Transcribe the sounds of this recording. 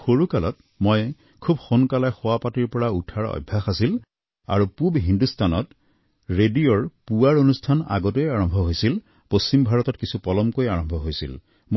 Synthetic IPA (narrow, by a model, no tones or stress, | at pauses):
xoɹukalɔt | moj | kʰubxonkalajxʊwapatiɹpɔɹautʰaɹɔ̰jbʱːaxasil | a̰ɹupubɦindustanɔ̰t | ɹedioɹpuwaɹonustʰana̰ɡɔt̬ojaɹɔmbʱɔɦojsil | post͡ʃimbʱaɹɔtɔtkisupɔlɔmkojaɹɔmbʱɔɦojsḭl | m